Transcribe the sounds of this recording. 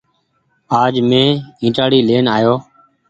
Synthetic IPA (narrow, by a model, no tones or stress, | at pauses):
aːd͡ʒmẽːĩːʈaːɽiːleːnaːjoː